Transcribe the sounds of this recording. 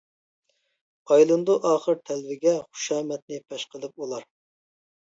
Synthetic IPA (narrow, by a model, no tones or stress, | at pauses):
ɑjlˠɨnd̪uʔɑːχəɾt̪ʰɛlvɪɡʲɛχu̥ʃɑːmɛt̪̚nɪpʰɛʃqəlˠɨp̚ulˠɑɾ